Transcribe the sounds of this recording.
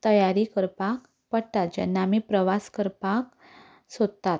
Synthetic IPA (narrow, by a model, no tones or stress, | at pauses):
t̪əjaɾikəɾpak | pəɽt̪at̪̚d͡ʑɛ̰nːamipɾəʋaskəɾpak | sod̪t̪at̪